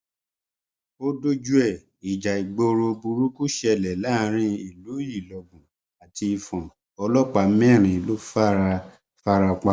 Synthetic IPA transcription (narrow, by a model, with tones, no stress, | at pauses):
o˦do˦d͡ʒu˦ɛ˦˨ | i˨d͡ʒa˨i˨ɡ͡bo˧ɾo˧bu˧ɾu˦ku˦ʃɛ˧˨lɛ˨la˦ɾ̃ĩ˧i˨lu˨˦ji˦˨lɔ˨ɡũ˨ | a˨ti˧i˧fɔ̃˨ | ɔ˧lɔ˦k͡pa˧˦mɛ̃˦˨ɾ̃ĩ˨˦lo˦fa˦ɾa˧ | fa˦ɾa˧k͡pa˧˦